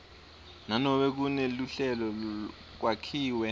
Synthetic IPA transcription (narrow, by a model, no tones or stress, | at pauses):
nanɔɓɛk̬uneluɬɛlɔ | k̬wakʰiːwɛ